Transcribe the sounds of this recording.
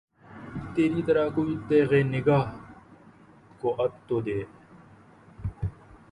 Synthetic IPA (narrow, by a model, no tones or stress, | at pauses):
t̪eːɾiːt̪əɾaːkoːiːt̪eːɣeːnɪɡaːɦ | koːʔət̪t̪ːoːd̪eː